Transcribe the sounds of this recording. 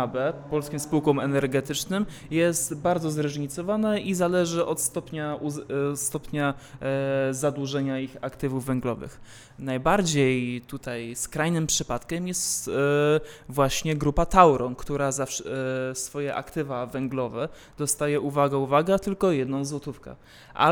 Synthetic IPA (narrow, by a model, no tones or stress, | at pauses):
abɛpɔlskʲĩmspuwkɔmɛnɛɾɡɛt̪ɘt͡ʂnɘm | jɛst̪baɾd̪zɔzɾɛʐɲit̪sɔvanaizalɛʐɘʔɔt̪st̪ɔpɲaust̪ɔpʲɲa | zad̪wuʐɛɲaixakt̪ɘvuvːɛŋɡlɔvɘ̰x | najbaɾd͡ʑejt̪ut̪ajskɾajnɘmpʂɘpat̪kʲɛmjɛst̪ | vwaɕɲɛɡɾupat̪awɾʔɔnkt̪uɾazafʂsfɔjɛʔa̰kt̪ɘvavɛŋɡlɔvɛ | d̪̥ɔst̪ajɛʔuvaɡɛuvaɡɛt̪ɘlkɔjɛd̪nɔ̃w̃zwɔt̪ufkɛ̰ | ʔa̰